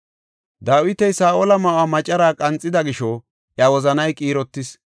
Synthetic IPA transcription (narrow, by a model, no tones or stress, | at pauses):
d̪aːwɪt̪ɛjsaːʔɔlɐmɐwaːmɐt͡ʃʼɐɾaːkʼɐnt͡sʼːɪd̪ɐɡɪʃɔ | ʔjɐwɔzɐnɐjkʼiːɾɔt̪ːɪs